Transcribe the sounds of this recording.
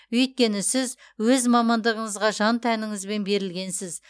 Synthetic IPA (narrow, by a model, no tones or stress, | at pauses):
ɵjt̪̚kʲe̞nɪsɪz | wɵzmɑmɑnd̪əʁəɴəzʁɑʒɑnt̪ʰænɪŋɪzbe̞nbe̞ɾɪlɡʲe̞nsɪz